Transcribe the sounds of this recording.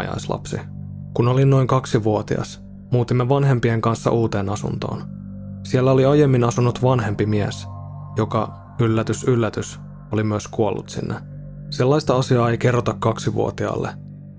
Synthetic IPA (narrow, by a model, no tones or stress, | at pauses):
jɑ̰jslɑ̰psḭkunolinno̞jŋkɑksiʋuot̪ḭɑ̰s | muːt̪imːeʋɑnɦe̞mpieŋkɑnsːɑ̰ʔuːt̪e̞ːnɑsṵnt̪o̰ːn | siælːæoliɑjemːinɑsunːut̪ʋɑnɦe̞mpimiæs | jokɑ | ylːæt̪ysylːæt̪ys | olimyøskuolːṵt̪sḭnːe | selːɑjst̪ɑɑsiɑːejke̞rːot̪ɑkːɑksiʋṵo̰t̪iɑ̰ːlːḛ